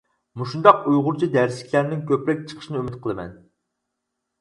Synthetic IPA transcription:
muʃund̪ɑqujʁʊɾt͡ʃʰid̪æɾsɪ̥kʲlæɾnɪŋkʲʰøpɾɛk̚ʲt͡ʃʰə̥qʰə̥ʃinɨymɪt̪̚qʰəlˠɨmɛ̰n

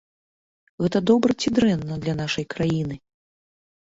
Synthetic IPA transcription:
ɣɛt̪ɐd̪ɔbɾɐt͡sʲid̪ɾɛnːɐd̪lʲɐnaʂɐjkɾajinɨ

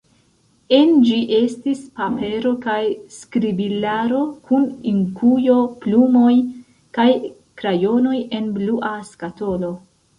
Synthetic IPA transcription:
end͡ʒiʔe̞stispape̞ɾo̞kajskɾibilaɾo̞kʰuniŋkujo̞plumo̞j | kaj | kɾajo̞no̞je̞nbluʔaskato̞lo̞

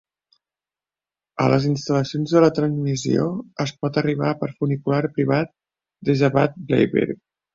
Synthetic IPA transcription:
ə̰ləzinst̪ələsionzðələt̪ɾənzmizio̰əspɔt̪əriβ̞apəɾfunikulaɾpɾiβat̪̚ | d̪ezəβat̪̚blḛjβḛɾ

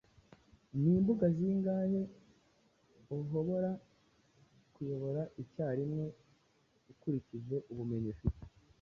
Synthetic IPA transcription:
niːmbuɡaziːŋɡaːhe̞ | oɦo̞βo̞ɾa | kujo̞βo̞ɾaʔicaːɾimŋe | ukuɾicize̞ʔuβume̞ɲifite̥

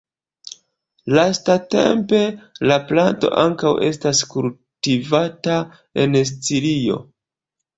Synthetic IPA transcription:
lastate̞̰mpe̞laplanto̞̰ʔa̰ŋkawʔe̞̰staskul | tivata | e̞nst͡silio̞̰

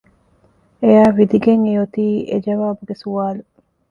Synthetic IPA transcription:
ejaːʋid̪iɡeŋejot̪iːʔḛd͡ʒɐʋaːbuɡesuaːlu

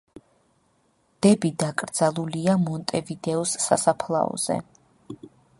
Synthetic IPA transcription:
d̪̥ɛbid̪akʼɾd̪z̥alˠuliamɔnt̪ʼɛvid̪ɛɔsːa̰sapʰlˠa̰ɔ̰z̥ɛ̰

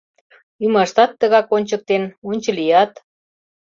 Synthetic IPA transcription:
ymɑʃt̪ɑt̪ːəɣɑkonʲt͡ɕək̚t̪enunʲt͡ɕə̆lijɑt̪

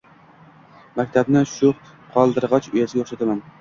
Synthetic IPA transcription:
makʲt̪ʰabnɪʃʊ | qʰɒlˠd̪ɨɾʁɑt͡ʃojasɪɡʲaoχʃat̪ʰaman

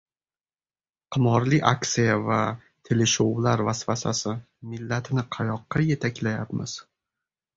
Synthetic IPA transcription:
qʰɨmɒɾlɪʔakt̪sijava | t̪ʰelɪʃowlaɾvasfasa̰sɪ | mɪlːat̪ʰɪnɪqʰɑjɒqːɑje̞t̪ʰakʲlajapmɪ̰z̥

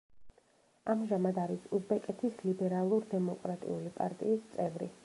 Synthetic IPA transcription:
amʒamad̪aɾisuzbɛkʼɛt̪ʰislibɛɾalˠuɾd̪ɛmɔkʼɾat̪ʼḭulipʼa̰ɾt̪ʼḭːst̪sʼɛvɾḭ

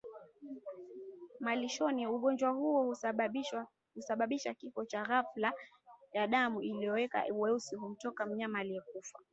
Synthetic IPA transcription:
maliʃɔniuɠɔnd͡ʒwahuɔ | husaɓaɓiʃakifɔt͡ʃaɣafla | jaɗamuilijɔwɛka̰uwɛusiɦum̩tɔkam̩ɲamaliɛkufa

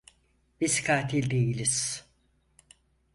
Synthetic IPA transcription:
bizkʰaːt̪ʰilʲd̪ejilʲiz̥

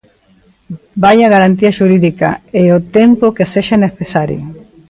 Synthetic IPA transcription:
bajɐɣaɾant̪̬iɐʃuɾiðikɐ̰eot̪empokeseʃaneθesaɾjo̰

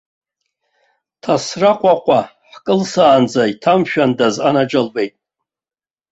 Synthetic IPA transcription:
tʰasraqʷʼaqʷʼaħkʼɨlsaːnd͡zaitʰamʃᶣandazanad͡ʒalbe̞jtʼ

